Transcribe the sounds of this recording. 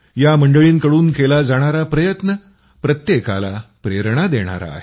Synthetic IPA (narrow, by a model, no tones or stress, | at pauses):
jaməɳɖəɭiːnkəɽuːnkelad͡zaɽ̃aɾapɾəjət̪nə | pɾət̪jeka̰la̰pɾeɾɳad̪eɽ̃a̰ɾa̰ːɦe